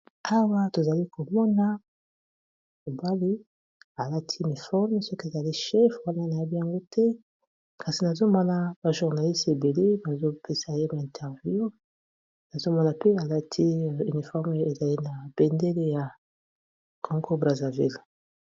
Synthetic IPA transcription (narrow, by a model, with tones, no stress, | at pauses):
a˦wa˦to˨za˨li˦ko˨mɔ˦na˦ | mo˨ba˦li˦ | a˨la˦tʰi˦y˨ni˨fɔ˦ʁm˦sɔ˦ki˦e˨za˨li˦ʃɛ˦fwa˦na˦na˨ja˦bi˦ja˨ŋɡo˦tʰɛ˦ | kʰa˨si˨na˨zo˦mɔ˦na˨ba˨ʒu˨ʁna˨li˦ste˨be˨le˦ba˨zo˦pe˦sa˨je˦ma˨ɛ̃˨ntʰɛ˨ʁvju˦ | na˨zo˦mɔ˦na˨pe˦a˨la˦tʰi˦y˨ni˨fɔ˦ʁmo˦jo˦e˨za˨li˦na˨b̥ɛ˨nde˦le˦ja˨ | kʰɔ˦ŋɡo˦bʁa˨za˨vḭ˦˨l